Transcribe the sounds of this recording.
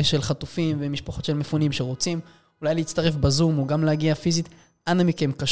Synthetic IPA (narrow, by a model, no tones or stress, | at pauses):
ʃe̞lχat̪ufimvemiʃpaχo̞t̪ʃe̞lmefunimʃeʁot͡sim | ulajliːt͡st̪aʁe̞fbazumuɡamlehaɡiafizit̪ | anamike̞mkaʃ